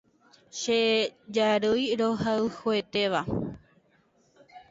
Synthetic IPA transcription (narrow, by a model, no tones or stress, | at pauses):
ʃed͡ʒaɾɨjɾoɦaɨhoet̪e̞ʋa